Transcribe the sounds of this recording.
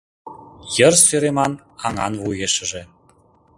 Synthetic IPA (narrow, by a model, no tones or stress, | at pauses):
jərsøɾemɑn | ɑŋɑ̰nvujeʃə̆ʒĕ